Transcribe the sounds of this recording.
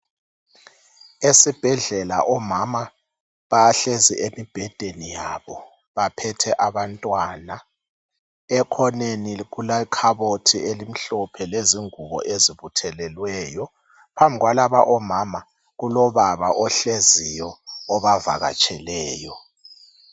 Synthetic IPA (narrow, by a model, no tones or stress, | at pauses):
esib̥ʱɛɮɛla̰ʔɔmama | βaaɬezḭʔemib̥ʱɛd̥ʱenijaβɔ | βapʰɛtʰɛʔaβantʼwana | ɛkʰɔneniɣulakʰaβotʰielim̩ɬɔpʰɛleziŋuβɔ̰ʔeziβutʰɛlɛlwɛːjɔ | pʰambʱiɣwalaβaʔɔmama | ɣulɔβaβa̰ʔɔɬezijɔːβava̰ɣa̰t͡ʃʼʰɛlɛːjɔ